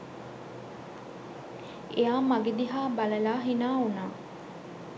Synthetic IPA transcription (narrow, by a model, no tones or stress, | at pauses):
ejaːmɐɡed̪iɦaːbɐlɐlaːɦinaːunaː